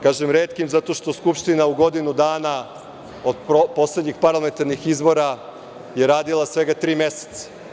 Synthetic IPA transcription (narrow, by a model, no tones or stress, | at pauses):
kaːʒemɾeːt̪kimzat̪o̞ʃt̪o̞skupʃt̪inauɡo̞d̪inud̪aːna | od̪po̞sled̪ɲixpaɾlˠame̞nt̪aɾnixizbo̞ɾa | je̞ɾaːd̪ilˠasʋe̞ɡat̪ɾiːme̞se̥t̪sḁ